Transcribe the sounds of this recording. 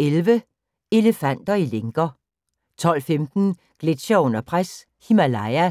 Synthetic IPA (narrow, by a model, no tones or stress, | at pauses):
elʋə | e̝ləfæn̰d̥ɐileŋɡ̥ɐ | t͡sʰɒ̽l̰femd̥n̩ | ɡ̥led̥ɕɐɔ̽n̰ɐpʰʁas | himælɑɪæ